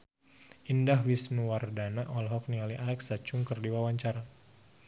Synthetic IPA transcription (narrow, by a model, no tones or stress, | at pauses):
ʔindahwisnuwardanaʔɔlɦɔk̚nialiʔalɛksat͡ʃuŋkərdiwawaɲt͡ʃaɾa